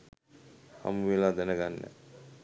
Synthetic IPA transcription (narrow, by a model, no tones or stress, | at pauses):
ha̰muʋilaːd̪ɛnəɡanːə̰